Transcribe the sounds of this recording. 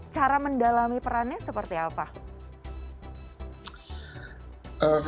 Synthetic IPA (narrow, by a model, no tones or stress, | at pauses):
t͡ʃaɾaməndalamipəɾanasəpərt̪iapa | ʔə